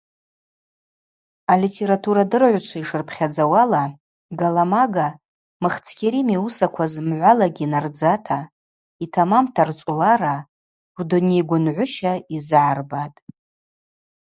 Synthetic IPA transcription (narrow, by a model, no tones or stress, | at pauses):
alitʰe̞ɾatʰuɾadɨrʕʷt͡ʃʷʰaiʂɨrpʰχʲad͡zawala | ɡalamaɡa | mɨχt͡sʰkʲʰeɾimiusakʷʰazmʕʷalaɡʲinard͡zatʰa | itʰamamtʰart͡sʷʼulaɾa | rdone̞jɡʷʊnʕʷʊʃaizʕarbatʼ